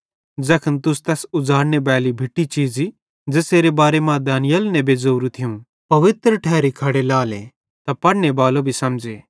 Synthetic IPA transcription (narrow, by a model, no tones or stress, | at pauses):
d͡zɐkʰənt̪ʊst̪ɛːsʊd͡zaːɽnebɛːlibʱɪʈːit͡ʃiːzi | d͡ʒeseːɾebaːɾemãd̪aːnɪjəlnɛ̃beːzoːɾũt̪ʰɪjũ | pɐʋɪt̪ɾʈʰɛːɾikʰɐɽelaːle | t̪ɐpɐɽnebaːlobʱisɐmd͡ʒeː